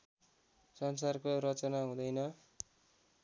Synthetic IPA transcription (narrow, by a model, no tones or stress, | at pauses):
sʌns̬arkorʌt͡sʌnaɦũd̪ʌjnʌ